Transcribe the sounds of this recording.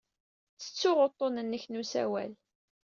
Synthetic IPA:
t͡sːə̥t͡sːʊʁot̪ˤːonənːəçnusæ̰wæ̰l

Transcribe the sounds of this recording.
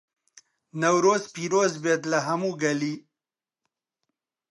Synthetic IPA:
nawɾozpiɾozbet̪laɦamuɡali

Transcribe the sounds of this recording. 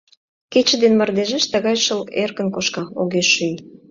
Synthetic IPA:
ket͡ɕə̆d̪enmə̆rd̪eʒeʃt̪əɣɑjʃəlerkə̆nkoʃkɑoɣeʃyj

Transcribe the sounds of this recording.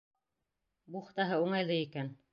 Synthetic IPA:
buχt̪ɑɦɤuɴɑjlˠɤikæn

